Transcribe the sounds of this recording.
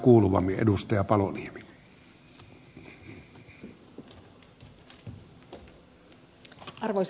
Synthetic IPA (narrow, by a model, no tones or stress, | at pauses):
kuːluʋɑ̰mːˑiʔḛdust̪ɑjɑpɑloniemi̥ | ɑrʋois